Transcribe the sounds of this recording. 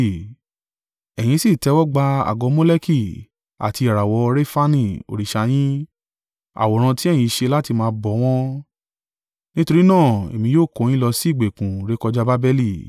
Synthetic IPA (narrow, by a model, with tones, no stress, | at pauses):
ɛ˨j̃ĩ˧˦si˦˨tɛ˧˦wɔ˦ɡ͡ba˧a̰˨ɡɔ˨˧˦mõ˦le˦ki˦˨ | a̰˨ti˧˦a˨ɾa˨wɔ˧ɾe˦fa˦nĩ˦o̰˨ɾi˨ʃa˧j̃ĩ˦ | a̰˨wɔ˨ɾ̃ã˧ti˦ɛ˦˨j̃ĩ˧ʃe˧la˦ti˧mãː˧bɔ˨˦w̃ɔ̃˦ | nĩ˦to˧ɾi˦nãː˦˨ḛ˨mĩ˧joː˦˨ko˨˦j̃ĩ˦lɔ˧si˦˨ɡ͡be˨kũ˨ɾe˦kɔ˧d͡ʒa˦ba˦bɛ˦li˦˨